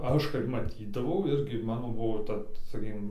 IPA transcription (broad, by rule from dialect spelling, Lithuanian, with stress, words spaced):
ˈɐʃ kɐɪp mɐˈtʲiːdɐʋɐʊ ˈɪrʲɡʲɪ ˈmɑːnoː ˈbʊʋoː ˈtɐ sɐˈkʲiːkʲɪm